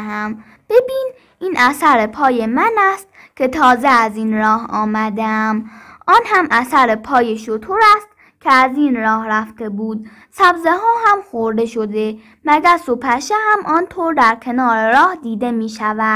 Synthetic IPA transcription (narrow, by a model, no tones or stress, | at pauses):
æm | b̥e̞biːn | ʔiːnʔæsæɾepʰɒːje̞mænæst̪ | cʲʰe̞t̪ʰɒːzeæziːnɾɒːhɒːmæd̪eæmʔɒːnɦæmʔæsæɾepʰɒːje̞ʃot̪ʰoɾæst̪̚ | cʰeæziːnɾɒːhɾæft̪e̞buːd̪̚ | sæbzeɦɒːɦæmxoɾd̪e̞ʃod̪e̞ | mæɡæɾsopʰæʃehæmʔɒːnt̪ʰoːɾd̪æɾkʰe̞nɒːɾeɾɒːhd̪iːd̪e̞miːʃævæ̥